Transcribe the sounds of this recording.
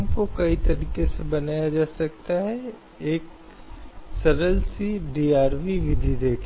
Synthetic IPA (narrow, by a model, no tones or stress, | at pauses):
mkokɐit̪ɐɾiːkesebɐnaːjad͡ʒaːsɐk̚t̪aɦɛ | eːk̚ | sɐɾəlsiɖiːaːɾʋiʋɪd̪ʱid̪eːkʰ